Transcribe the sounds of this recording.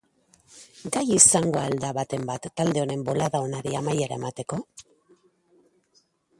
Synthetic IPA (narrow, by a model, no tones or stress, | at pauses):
ɡajisaŋɡo̞ald̪aβat̪e̞mbat̪ːald̪e̞o̞ne̞mbo̞laðao̞naɾiamajeɾa̰e̞mat̪e̞ko̞